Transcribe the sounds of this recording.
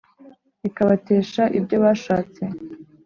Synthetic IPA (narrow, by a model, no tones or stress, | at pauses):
ikaβate̞ːʃaʔibɟo̞βaːʃaːt͡se̞